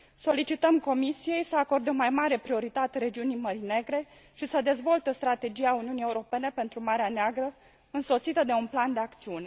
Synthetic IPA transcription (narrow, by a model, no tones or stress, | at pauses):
so̞lit͡ʃit̪əmko̞misije̞jsəako̞rd̪eo̞majmaɾe̞pɾio̞ɾit̪at̪eɾe̞d͡ʒiunijməɾine̞ɡɾe̞ | ʃisəd̪e̞zvo̞lt̪eo̞st̪ɾat̪e̞d͡ʒijeauniunije̞uɾo̞pe̞ne̞pe̞nt̪ɾumaɾeaneaɡɾə | ɨnso̞t̪sit̪əd̪e̞unpland̪e̞akt̪siune̞